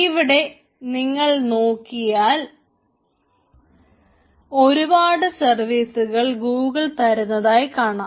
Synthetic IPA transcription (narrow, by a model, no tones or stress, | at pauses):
iʋiɽe̞ | niŋːɐɭno̞ːkːijaːl | o̞ɾubaːɽɨsɐrʋiːsuɣɐɭɡuːɡɐɭt̪ɐɾunːɐðaːjkaːɳaː